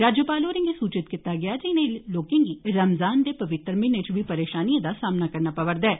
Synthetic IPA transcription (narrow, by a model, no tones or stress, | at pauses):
ɾaːd͡ʒjəpaːloːɾɪ̃ŋɡisuːt͡ʃɪt̪kɪt̪ːaɡɪaːd͡ʒɪnẽloːkẽːŋɡiɾəmzaːnd̪eːpɐʋɪt̪ːɾmɪnet͡ʃʋipəɾeːʃaːnijãd̪asaːmnakɐɾnaːpɐʋəɾd̪ɛː